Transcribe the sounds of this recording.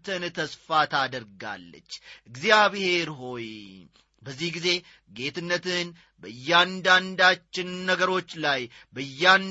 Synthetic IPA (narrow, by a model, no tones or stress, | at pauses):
t̪ʰɨnt̪ʰəsfat̪ʰad̪əɾɡa̰lːə̰t͡ʃːɨɡzijaβhe̞ɾɦo̞j | bəzːihɡize̞ | ɡe̞t̪ɨnːət̪ɨn | bəɨjːand̪and̪at͡ʃːɪnːəɡəɾo̞t͡ʃːlaj | bəɨjːan